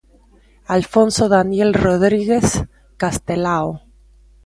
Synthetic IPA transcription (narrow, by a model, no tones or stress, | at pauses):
alfonsoðanjelroð̞ɾiɣes | kast̪elao